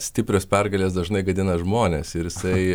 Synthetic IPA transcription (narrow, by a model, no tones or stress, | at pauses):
sʲt̪ʲɪpʲɾʲoːspʲɛrɡɐlʲeːsd̪ɐʒnɐɪɡɐd̪ʲɪnɐʒmoːnʲḛːsɪɾjɪsɐɪ